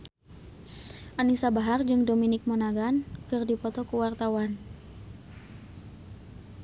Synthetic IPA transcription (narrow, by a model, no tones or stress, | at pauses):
ʔanisabaɦard͡ʒɨŋdominɪk̚monaɡankɨrdipɔt̪ɔkuwart̪awan